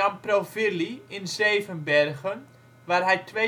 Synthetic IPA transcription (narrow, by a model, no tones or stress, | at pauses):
amprofiliɪnzeːvənbɛrɣən | ʋaːrɦɛjtʰʋe